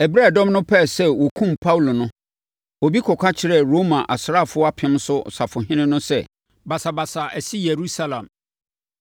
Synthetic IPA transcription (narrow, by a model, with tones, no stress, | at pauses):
ɛ˨bɾa˦˨dɔ̃˦mnʊ̃˦pʰɛ˦˨sɛ˦wɔ˨kʰũ˦mpʰa˦wlo˨nʊ̃˦ | ɔ˨bi˦kʰɔ˨kʰʷa˦t͡ɕʰɪ˦ɾɛ˦˨ɾo˦mã˨ʔa˨sɾa˦˨fʊ˦ɔ˦a˦pʰɪ̃˦m˦sʊ˦˨sa˨fʊ˨ɦɪ̃˦nɪ̃˦nʊ̃˦sɛ˦˨ | ba˨sa˨ba˨sa˨ʔæ˨si˦je˨ɾu˦sa˦lã˨m